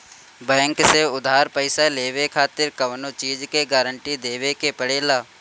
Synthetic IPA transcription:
bɛ̃ːŋkseʊd̪ʱaːɾpəɪsaleːʋekʰaːt̪ɪɾkəʋnot͡ʃiːd͡ʒkeɡaːɾəɳʈid̪eːʋekepəɽeːlaː

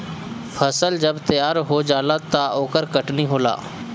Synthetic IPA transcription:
pʰɐsəld͡ʒɐbt̪ɐjaːɾɦod͡ʒaːlat̪aoːkəɾkɐʈniɦoːla̰ː

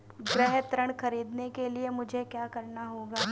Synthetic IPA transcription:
ɡɾɛɦt̪ɾəɽ̃xɐɾiːd̪nekeliemʊd͡ʒʱekjaːkɐɾnaɦoːɡaː

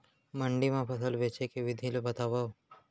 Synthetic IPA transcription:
məɳɖimãpʰəsəlʋeːt͡ʃekeʋɪd̪ʱilobət̪aːʋa

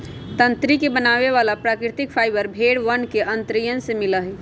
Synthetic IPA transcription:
t̪ənt̪ɾikebənaβeβalapɾakɾit̪ik̚pʰajbəɾbʱeɽʋənkeʔənt̪ɾijənsemiləɦɛ

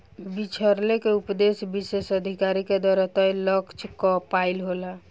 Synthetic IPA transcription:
bit͡ʃʰəɾlekeupd̪esbisesəd̪ʱikaɾiked̪ɔɾət̪əjləkt͡ʃʰkɔpailɦola

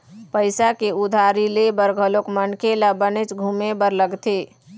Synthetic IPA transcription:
pəɪsakeʊd̪ʱaːɾilebəɾɡʱəlokmənkelabənet͡ʃɡʱumebəɾləɡt̪ʰeː

